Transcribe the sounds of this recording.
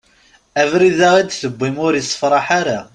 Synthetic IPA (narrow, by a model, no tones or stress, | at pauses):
ævɾiðaʁæd̪θəbʷːimʊɾjəsˤːə̥fɾˤɑħaɾa